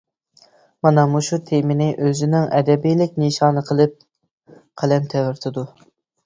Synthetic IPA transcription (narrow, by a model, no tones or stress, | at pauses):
mɑnɑmuʃut̪ʰemɪnɪʔøzɪnɪŋɛd̪ɛbijlɪk̚ʲniʃɑːnɨqʰəlˠɨp̚ | qʰælɛnt̪ʰɛwɪɾt̪ʰɨd̪u